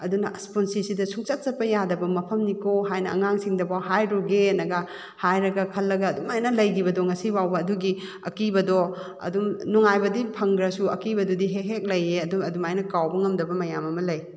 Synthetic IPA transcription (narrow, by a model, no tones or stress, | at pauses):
ɐdunɐʔsponsisidɐsʰuŋsat̚t͡ʃɐpːɐjadɐbɐmɐpʰɐmnikoɦajnɐɐ̰ŋaŋsiŋdɐbawɦajɾuɡenɐɡɐ | hajɾɐɡɐkʰɐlːɐɡɐːdumajnɐlɐjɡibɐdɔŋɐsibawbɐːduɡi | ɐkibɐdɔ | ɐ̰dumnɔŋajbɐdipʰɐŋɡɾɐsuɐkibɐdɔdiɦeɦek̚lɐjeɐduɐdumajnɐkawbɐŋɐmdɐbɐmɐjamɐmɐlɐj